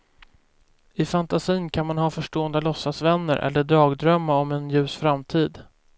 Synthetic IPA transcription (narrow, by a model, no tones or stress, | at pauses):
ɪfant̪asiːnkʰanmanɦɑːfœʂʈoːənd̪əlɔsːasvɛnːəɾʔɛ̰lːəɖɾɑːɡd̪ɾœmːaɔmɛnjʉ̟ːsfɾamt̪ʰiːd̪